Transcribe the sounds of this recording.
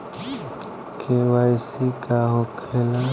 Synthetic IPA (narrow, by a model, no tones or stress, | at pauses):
kʰewaɪsikaɦokʰela